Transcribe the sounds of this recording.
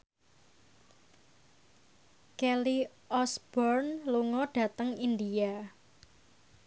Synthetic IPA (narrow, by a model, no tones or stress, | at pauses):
kɛli | ʔɔsb̥ɔrnluŋɔɖ̥ä̤t̪əŋind̪ia